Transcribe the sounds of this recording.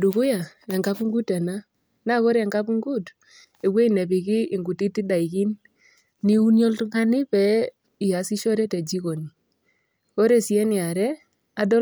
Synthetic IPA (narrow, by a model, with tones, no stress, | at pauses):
du˨ku˦ja˨ɛ˨ŋɡa˦pu˦ŋɡu˦tɛ˨na˦ | na˦kɔ˦ɾɛ˨ŋɡa˦pu˦ŋɡu˦t | e˨ɡwe˦i˦˨nɛ˨pi˨kɪː˦˨ŋɡu˨ti˦ti˦da˨i˨ki˦nː | i˦u˦njɔ˦ltŋa˦nɪ˦pɛ˨˦ | i˨ja˨si˦ʃɔ˦ɾɛ˦tɛ˨d͡ʒi˦ko˨ni˨ | ɔ˦ɾe˨si˨ɛ˦nɪ˨a˨ɾɛ˦ | a˨dɔ˦